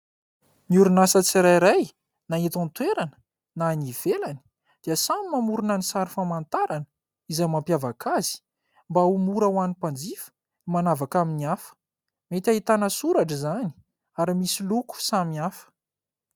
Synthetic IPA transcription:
nuɾunasət͡siɾajɾaj | naet̪ãnt̪weɾanə̥ | naniv̥elani | d̪̥iəsamimamuɾunanisaɾifamant̪aɾanə̥ | izajmampjavakʰaz̥i̥ | mbaumuɾawanipand͡zifə̥ | imanavakaminiafə̥ | met̪ʲaɦit̪anəsuɾaʈ͡ʂəzani̥ | aɾimisiluku̥samiafə̥

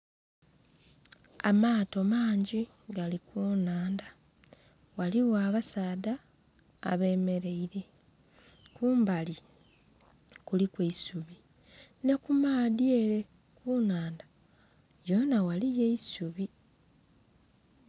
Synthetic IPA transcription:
a̰maːto̞maːɲɟi | ɡalikuːnaːnda | waliwaːβasaːda̰ː | βe̞ːme̞ɾe̞iɾe̞ | kuːmbali | kulikweisuβi | ne̞kumaːdje̞ɾe̞ | kuːnaːnda | jo̞nawalije̞isuβi

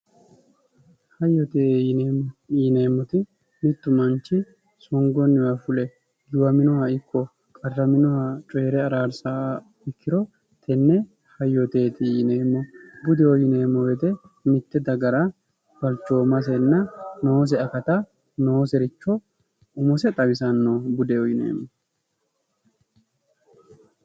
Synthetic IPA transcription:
hɐjːɔt̪e | neːmːɔt̪ɪ | mɪt̪ːʊmɐnt͡ʃːɪ | sɔŋɡɔnːɪwɐfʊlɛ | jʊwɐmɪnʊhɐɪkʰːɔ | kʼɐrːɐmɪnɔhat͡ʃʼɔjɛɾɛɐɾaːɾsa | ɪkʰːɪɾɔ | t̪ʰɛnːɛ | hɐjːɔt̪e̞ːt̪ɪːneːmːɔbʊd̪ɛɔjɪneːmːɔwɛd̪ɛ | mɪt̪ːɛd̪ɐɡɐɾɐ | fɐlt͡ʃːo̞ːmɐs̬ɛnːɐnoːs̬ɛɐkɐt̪ɐ | noːsɛɾɪt͡ʃːɔ | ʊmʊsɛt̪ʼɐbɪsɐnːobʊd̪ɛɔjɪnḛːmːɔ

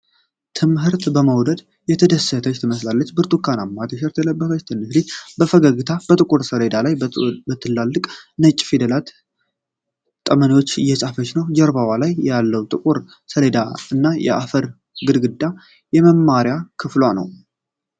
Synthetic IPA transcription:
t̪ʰɨmɦɨɾt̪bəməwd̪əd̪ | jɛt̪ʰəd̪əsːət̪ʰət͡ʃt̪ʰɨməslalːət͡ʃːbɨɾt̪ʼukʰːanamːat̪ʰəʃ̬ɛɾt̪ʰɛləbːəfət͡ʃt̪ʰɨnːɨslit͡ʃbəfəɡəɡɨt̪ʰab̥ət̪ʼɨkʼuɾsəɾe̞d̪alajbət̪ʰːɨlːalːɨkʼnət͡ʃʼːfid̪əlat̪ | t̪ʼəməniwo̞t͡ʃːɨjːɛsʼafət͡ʃnəwd͡ʒɛɾbawalajalːəwt̪ʼɨkʼuɾ | səɾed̪aɨnːajɛ̰ʔa̰fəɾ | ɡɨd̪ɡɨd̪ːa | jɛməmːaɾjakʰɨflanə̰w

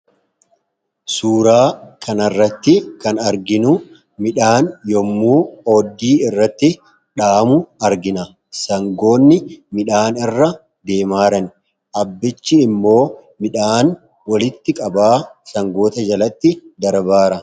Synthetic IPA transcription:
suːɾaːkʰɐnɐrːɐt̪ːɪkɐnɐɾɡɪnʊ | mɪᶑaːnjɔmːuːoːd̪ːiːɪrːɐt̪ːɪ | ᶑaːmʊɐɾɡɪnɐ | sɐŋɡo̞ːnːɪmɪᶑaːnɪrːɐ | d̪e̞ːmaːɾɐn | ʔɐbːɪt͡ʃːɪːmːo̞ːmɪᶑaːn | wɐlɪt̪ːɪkʼɐbaːsɐŋɡo̞ːt̪ɐd͡ʒɐlɐt̪ːɪd̪ɐɾbaːɾɐ

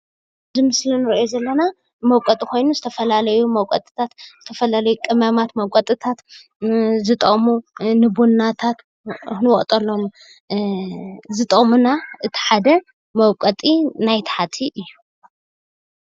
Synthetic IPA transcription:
zɨmɨslinɨɾjozɐlːɐna | mɐwkʼɐt̪ʼikʰo̞jnuzɨt̪ʰɐfɐlalɐjumɐwkʼɐt̪ʼɨ̥t̪ʰat̪z̥ɨt̪ʰɐfɐlalɐjukʼɨmamat̪mɐwkʼɐt̪ʼɨt̪ʰat̪ | zɨt̪ʼɐχʼmunɨbunːat̪ʰat̪ | nɨwɔχʼt̪ʼɐlːomu | zɨt̪ʼɐχʼmunaʔɨt̪ʰi̥ħad̪ɐ | mɐwkʼɐt̪ʼinajt̪ʰħat̪ʰiʔɨjːu

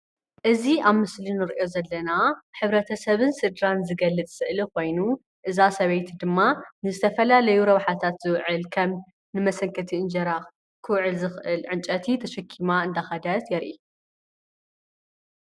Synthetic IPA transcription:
ʔɨziaβmɨslinɨɾʔo̞zɐlːɐnaħɨβɾɐt̪ʰɐsɐβɨnsɨd̪ɾanzɨɡɐlːɨt͡s̪ʼsɨʔliko̞jnu | ʔɨzasɐβejt̪ʰd̪ɨmːanɨzɨt̪ʰɐfɐlalɐjuɾɐβħat̪ʰat̪z̥ɨwʕɨlkʰɐm | nɨmɐsɐŋkʰɐt̪ʰiɨnd͡ʒɐɾa | kʰɨwʕɨlzɨxʔɨlʕɨnt͡ʃʼɐt̪ʰit̪ʰɐʃɐkʰːimaɨnd̪axɐd̪ɐt̪jɛɾʔi

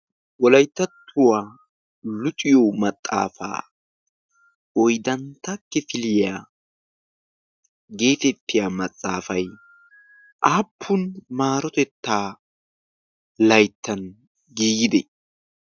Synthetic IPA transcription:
wɔlɐjt̪ːɐt̪ʰːʊwaː | lʊt̪ʼɪjɔmɐt̪ʼːa̰ːfa̰ː | ɔjd̪ɐnt̪ɐkːɛfɪlɪja | ɡe̞ːfɛt̪ːɪjamɐt̪ʼːaːfɐj | ʔaːpʰːʊnmaːɾɔt̪ɛt̪ːaː | lɐjt̪ːɐn | ɡiːɡɪd̪ɛ̰

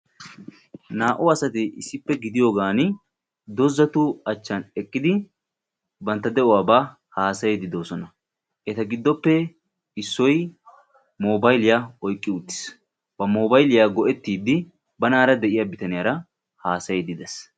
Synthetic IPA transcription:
naːʔʊɐsɐt̪ɪʔɪsːɪpːɛɡɪd̪ɪjoːɡaːn | d̪ɔzːɐt̪ʊɐt͡ʃːɐnɛkʼːɪd̪ɪ | bɐnt̪ːɐd̪ɛʔʊwaːba | haːsɐjɛd̪ɪd̪o̞ːsɔnɐ | ʔɛt̪ɐɡɪd̪ːɔpːɛ | ɪsːɔj | moːbɐjlɪjaɔjkʼːɪʊt̪ːɪ̥s | b̥ɐmoːbɐjlɪjaːɡɔʔɛt̪ːiːd̪ɪ | bɐnaːɾɐd̪ɛʔɪjaːbɪt̪ɐnɪjaːɾɐ | haːsɐjɛd̪ɪd̪ɛs

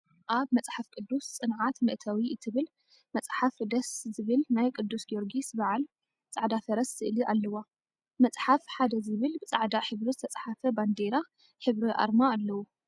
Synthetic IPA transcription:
ʔaβmɐt͡sʼħafkʼɨd̪ːust͡sʼɨnʕat̪mɨʔt̪ʰawiɨt̪ʰɨβɨl | mɐt͡sʼħafd̪ɐszɨβɨlnajkʼɨd̪ːusɡioɾɡisbaʕal | t͡sʼaʕd̪afɐɾɐsz̥ɨʔɨliʔalːɐwa | mɐt͡sʼħafħad̪ɐzɨβɨlbɨt͡sʼaʕd̪aħɨβɾizɨt̪ʰɐt͡sʼħafɐband̪eɾa | ħɨβɾiʔa̰ɾmaːlːɐwu

